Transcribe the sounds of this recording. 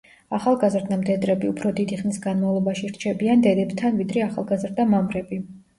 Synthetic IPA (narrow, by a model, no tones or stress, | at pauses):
aχalˠɡazɾd̪amd̪ɛd̪ɾɛbiupʰɾɔd̪id̪iχnisɡanmavlˠɔbaʃiɾt͡ʃʰɛbiand̪ɛd̪ɛbt̪ʰanvid̪ɾɛaχalˠɡazɾd̪amamɾɛbi